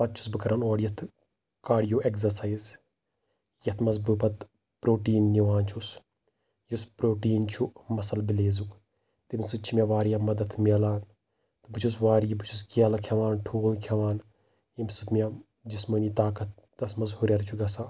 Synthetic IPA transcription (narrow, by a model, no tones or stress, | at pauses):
pɐt̪̚t͡ʃʰu̥sbɨkɐɾɐnoːɽjɐt̪ʰ | kaːɽjoːʔekzɐɾsɐjz | jɐt̪ʰmɐzbɨpɐt̪ | pɾoːʈiːnːiʋaːnt͡ʃʰus | juspɾoːʈiːnt͡ʃʰumɐsɐlbileːzuk | t̪imsɨt͡ʃʰimʲɐʋaːɾjɐmɐd̪ɐt̪ʰmʲelaːn | t̪ɨbɨt͡ʃʰus̬ʋaːɾijibɨt͡ʃʰuskiɐlɐkʰʲɐʋaːnʈʰuːlkʰɐʋaːn | imsɨt̪mʲja | d͡ʒisməniːt̪aːkɐt̪̚ | d̪ɐsmɐzhuɾʲɐɾt͡ʃʰuɡɐsaː